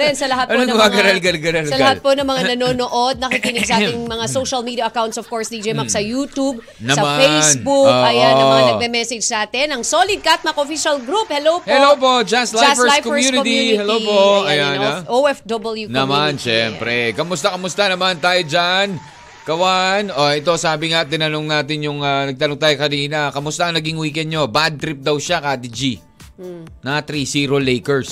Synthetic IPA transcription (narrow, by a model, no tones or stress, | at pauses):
ɛnsɐlɐɦat̪ʔɐnoɡʊmaɡɐɾɐlɡɐlɡɐɾɐlsɐlhaponɐŋmɐŋanɐnoːnoʔod̪̚nɐkikiːnɪɡ̥̚sɐʔaːt̪ɪŋmɐŋasowʃɐlmid̪ijɐʔɐkawnt̪sɔv̥koɹsnid͡ʒɛjmɐksɐjuːt̪ub̚ | nɐsɐmafejsbukɐjanɐŋŋɐŋanɐɡ̚bɛmɛsɛd͡ʒsaːt̪ɛnɐŋsoːlɪd̪̚kɐːt̪̚mɐkoʔofiʃɐlɡɾup̚hɛlowphɛlowpod͡ʒasljsfɛlajkoɛmjunɪt̪ihɛlopoɐjanoʔoɛfd̪obɐljunɐmanʃɛmpɾɛkɐmʊst̪ɐkɐmʊst̪anɐmant̪aːjod͡ʒan | kɐwanoʔɛt̪o̞saːbɪŋat̪ɪnɐnoŋnaːt̪̬ɪnjʊŋɐnɐɡ̚t̪ɐnoŋt̪aːjokɐɾiːnɐkɐmʊst̪aʔɐnɐɡiŋwiːkɛnd̪̚ɲo̞bad̪̚t̪ɾɪp̚d̪ɐwʃakaːd̪id͡ʒi | nɐt̪ɾisiːɾo̞lejkɛɹs